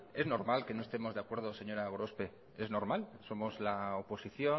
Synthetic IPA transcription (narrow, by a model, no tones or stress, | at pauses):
e̞znoɾmalke̞no̞est̪e̞mo̞zðakwe̞ɾðose̞ɲo̞ɾaɣɾo̞spe̞ | e̞zno̞ɾmalso̞mo̞zlaopo̞siθjo̞